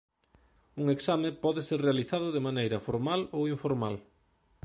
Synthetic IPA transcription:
uŋeksamepɔðɪseɾrealiθaðʊðemanejɾɐfoɾmalowiɱfoɾmal

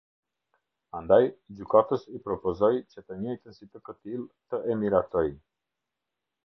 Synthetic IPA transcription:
and̪ajd͡ʑykat̪əsipɾɔpɔzɔjt͡ɕət̪əɲɔjt̪ənsit̪əkət̪ilˠt̪əʔɛmiɾat̪ɔj

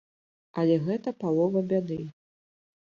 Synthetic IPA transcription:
ɐlʲɛɣɛt̪ɐpalˠɔvɐbʲad̪ɨ

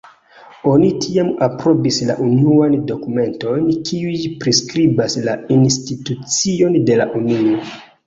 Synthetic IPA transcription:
o̞nitʰiamapɾo̞bisla̰ʔunuando̞kume̞nto̞jnkʰiujpɾiskɾibaslainstitut͡sio̞nde̞la̰ʔunio

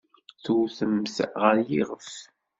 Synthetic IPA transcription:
θuwθəmθʁəɾjiʁəf

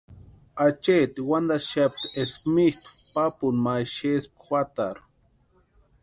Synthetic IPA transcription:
at͡ʃet̪iwand̪aʃap̚t̪esmit̪u̥papunmajʃesp̚xwat̪aɾ

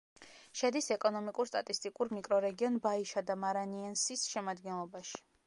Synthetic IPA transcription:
ʃɛd̪isɛkʼɔnɔmikʼuɾst̪ʼat̪ʼist̪ʼikʼuɾmikʼɾɔɾɛɡiɔnbaiʃad̪amaɾaniansisʃɛmad̪ɡɛnlˠɔbaʃi̥

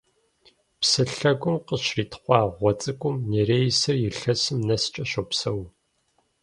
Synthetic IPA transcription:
psɨɬɐɡʷʊmqəʃriːtʰχʷɑːʁʷɔt͡sʼɨkʷʼʊmneɾeːjsɐrjɪɬɐsɨmnɐst͡ʃʼɐɕopsɐw

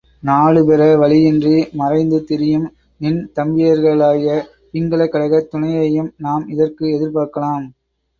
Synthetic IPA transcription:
naːɭɯpɛɾɐʋɐɭɪɛndrimɐrɐɪnd̪ɯt̪ːɪɾɪjɯm | nɪnt̪ɐmbɪjɐɾɣɐɭaːjɐ | ɪŋɡɐɭɐkːɐɽɐɣɐt̪ːʊnɐjɐjɯmnaːmɪðɐrkɯɛðɪɾpaːɾkɐlaːm

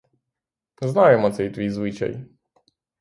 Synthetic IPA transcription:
znajɛmɔɛjt̪vʲijzwɨt͡ɕɛ̰j

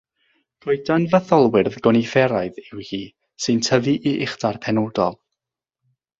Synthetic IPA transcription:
ɡ̥oɨdanvəθɔlˠwɪrðɡɔnifɛɾaɨðɪwhiː | sɨntʰəviʔiʔɪχdarpʰɛnodɔlˠ

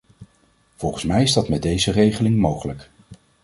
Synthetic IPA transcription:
v̥ɔlˠχənsmɛjɪzdɑtmɛdejzərejχəlɪŋmowχələk

